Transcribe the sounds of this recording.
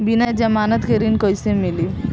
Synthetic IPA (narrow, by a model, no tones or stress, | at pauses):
binad͡ʒɐmaːnət̪keɾinkojsemili